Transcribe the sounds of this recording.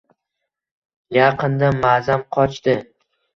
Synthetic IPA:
jɑqʰɨnd̪amazamqʰɒt͡ʃt̪ɪ

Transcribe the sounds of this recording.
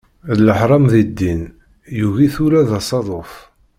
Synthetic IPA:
lːəħɾˤɑmðid̪ːin | juʝiθuɾæðɑsˤɑðˤof

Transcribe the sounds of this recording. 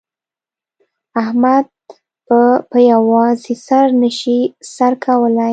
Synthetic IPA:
ahmad̪̚ | pəpəjawɑzisaɾnəʃisaɾkʰawəlaj

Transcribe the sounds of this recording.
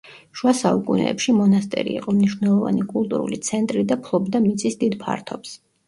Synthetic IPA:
ʃuasaukʼunɛ̰ːpʃimɔnast̪ʼɛ̰ɾḭiqʼɔmniʃwvnɛlˠɔva̰nikʼulˠt̪ʼṵɾṵlit̪sʰɛnt̪ʼɾid̪apʰlˠɔbd̪amit̪sʼisd̪id̪pʰa̰ɾt̪ʰɔps

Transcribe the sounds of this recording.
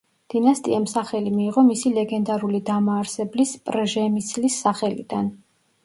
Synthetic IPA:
d̪̥inast̪ʼḭɛmsaχɛlimiːʁɔmisilɛɡɛnd̪aɾulid̪amaːɾsɛblispʼɾʒɛmisʰʼlisːaχɛlḭd̪̥an

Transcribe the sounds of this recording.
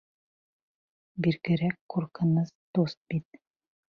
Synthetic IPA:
biɾɡɘ̆ɾækːuɾkɤ̆nɤzt̪ost̪̚bit̪̚

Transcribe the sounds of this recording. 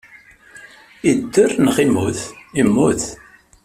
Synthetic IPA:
id̪ːʊrnʁimuθimːuθ

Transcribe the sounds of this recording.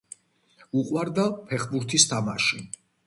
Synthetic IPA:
uqʼwaɾd̪apʰɛχbuɾt̪ʰist̪ʰamaʃi

